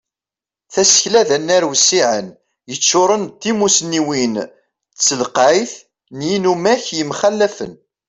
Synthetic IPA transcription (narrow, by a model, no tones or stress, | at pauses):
θæsə̥çlæðænːæɾwsːiʕə̰n | jət͡sːʊɾˤənt̪ːimusniwin | t͡sːəlqajθ | njinumæçjəmχælːæfə̰n